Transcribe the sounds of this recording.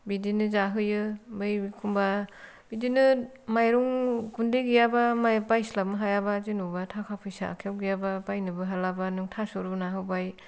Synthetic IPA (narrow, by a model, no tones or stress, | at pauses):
bidinɯzaɦɯjɯmɯjkʰumba | b̥idinɯ | majɾuŋɡundeɡijabamajpajslap̚mɯɦajabazinubatʰakʰapʰɯjsa̰kʰewɡijabapajnɯbɯɦalabanuŋtʰasoɾunaɦɯwbaj